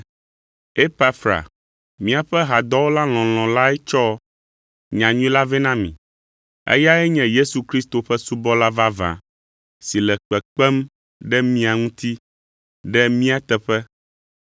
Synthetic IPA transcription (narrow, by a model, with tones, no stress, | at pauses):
e˦pa˦fɾa̰˨ | mĩ˦a˨ɸɛ˦ɦa˨d̪ɔ˦wo˦la˦l̃ɔ̃˨l̃ɔ̃˨la˦ɛ˦t͡ʃɔ˦ | ɲã˨ɲũ˦ĩ˦la˦vɛ˦nã˦mḭ̃˨ | ɛ̰˦ja˦ɛ˦ɲɛ̃˨je˦su˨kɾi˦st̪o˨ɸɛ˦su˦bɔ˦la˦va˦vã̰˨ | si˨lɛ˨k͡pɛ˨k͡pɛ˦m | ɖɛ˦mĩ˦a˨ŋũ˦t̪i˦ | ɖɛ˦mĩ˦a˦t̪ɛ˨ɸɛ˦